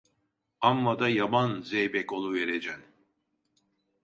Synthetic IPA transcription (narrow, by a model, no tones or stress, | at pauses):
amːad̪ajabanzejbɛko̞lˠuveɾed͡ʒæn